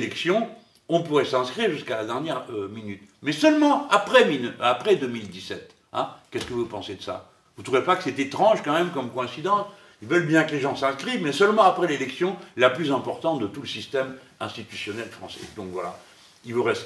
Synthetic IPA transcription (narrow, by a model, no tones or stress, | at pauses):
lɛksjɔ̃ | ɔ̃puʁɛsɛ̃skχiʁʒyskalad̪ɛʁnjɛʁminyt̪mɛsœlmɑ̃apχɛminapχɛd̪ømild̪isɛt̪ | ɛ̃kʲɛskəvupɑ̃sed̪əsa̰ | vut̪χuvepakə̥sɛt̪et̪χɑ̃ʒkɑ̃mɛmkɔmkɔɛ̃sid̪ɑ̃t̪ | ilvœlbjɛ̃kəleʒɑ̃sɛ̃skχivmɛsœlmɑ̃apχɛlelɛksjɔ̃ɛlaplyzɛ̃pɔʁt̪ɑ̃d̪ət̪uləsist̪ɛm | ɛ̰̃st̪it̪ysjɔnɛlfχɑ̃sɛ̥̰d̪ɔ̃kvwala | ilvəʁɛst̪